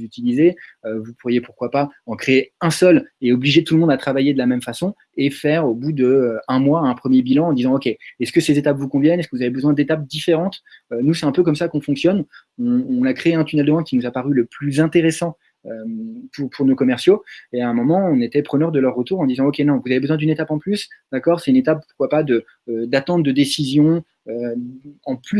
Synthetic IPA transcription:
yt̪ilizeøvupuʁjepuʁkwapaɑ̃kχeeɛ̃sœleɔbliʒet̪ulmɔ̃d̪at̪χavajed̪əlamɛmfasɔ̃ | efɛʁobud̪əɛ̃mwaɛ̃pχəmjebilɑ̃ːd̪izɑ̃ɔkʲeɛskəsezet̪apvukɔ̃vjɛnɛskəvuzavebəzwɛ̃d̪et̪ap̚d̪ifeʁɑ̃t̪ønusɛt̪ɛ̃pøkɔmsakɔ̃fɔ̃ksjɔn | ɔ̃ːnakχeeɛ̃t̪ynɛld̪əɛ̃kʲinuzapaʁyləplyzɛ̃t̪eʁesɑ̃ | ømpuʁpʰuʁnokɔmɛʁsjoeaɛ̃mɔmɑ̃ɔ̃net̪ɛpχənœʁd̪əlœʁːət̪uʁɑ̃d̪izɑ̃ɔkʲenɔ̃vuzavebəzwɛ̃d̪ynet̪apɑ̃plysd̪akɔʁsɛt̪ynet̪ap̚puʁ̥kwapad̪ə | d̪at̪ɑ̃t̪̚d̪əd̪esizjɔ̃ | øɑ̃ply

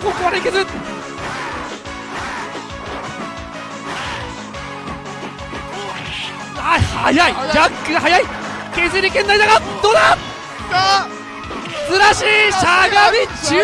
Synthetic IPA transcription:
kokoaɾaikezɨɾ | ahajaiakːɯhajai | kezɨɾʲikenːaid̪aɡad̪od̪a | zɨɾaɕiːɕaɡamʲit͡ɕɨ

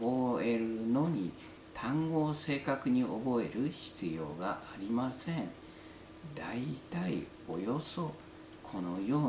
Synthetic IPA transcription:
oe̞ɾɯ̟no̞ɲ̟i | t̪ʰãŋɡo̞ːse̞ːkakɯ̟ɲ̟iʔo̞bo̞e̞ɾɯ̟ɕi̥t͡sɨjo̞̰ːɡaʔaɾʲimasẽ̞ŋ | d̪ait̪aḭ | o̞jo̞so̞ | kʰo̞no̞jo̞ː

